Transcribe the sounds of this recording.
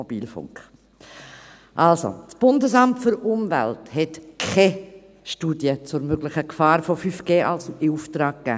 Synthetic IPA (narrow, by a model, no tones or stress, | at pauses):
ɔb̥iːlfʊ̰ŋkχ | ʔalso̰sb̥ʊndəsɑmtfʏɾʊmvæ̰lthɛtkʰɛ | ʃtuːdjət͡sʊɾmøɡlɪχəkfɑːɾfofyːfɡ̥eːʔɑ̰lsɪuftɾɑːk̚ːæ̰ː